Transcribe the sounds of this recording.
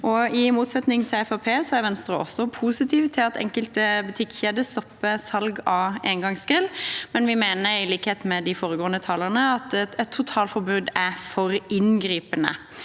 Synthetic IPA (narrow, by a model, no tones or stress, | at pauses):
ʔɔɪmuːt̪sɛt̪nɪŋt̪ʰɪlɛfɑpʰeːsɔæɾʋɛnst̪ɾəʔɔ̰sɔpʰuːsɪt̪ʰiːʋt̪ʰɪlɑt̪ʰɛ̰ŋkəlt̪əbʉt̪ʰɪkːçeːd̪əst̪ɔpːəsɑlɡɑːeːnɡɑŋskɪlmɛnʋɪmeːnəɾɪliːkəheːt̪mɛd̪ɪfoːɾəɡoːənət̪ʰɑːləʁnəɑt̪ɛt̪ʰːʊt̪ʰɑːlfɔɾbʉːd̪æfɔɾɪnɡɾiːpənə̰